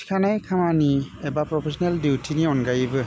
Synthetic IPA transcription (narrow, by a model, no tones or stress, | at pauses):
kʰanajkʰamaniɛbapɹɔpʰesɔnɛldiwtʰiniɔnɡajbɯ